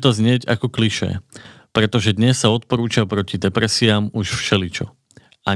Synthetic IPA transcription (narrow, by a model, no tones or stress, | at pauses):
t̪ɔzɲɪɛɟa̰kɔkliʃɛ̰pɾɛt̪ɔʒɛd̪ɲɛsːaɔt̪̚pɔɾuːt͡ʃapɾɔcid̪ɛpɾɛsiaːmuʃfʃɛlit͡ʃɔ | a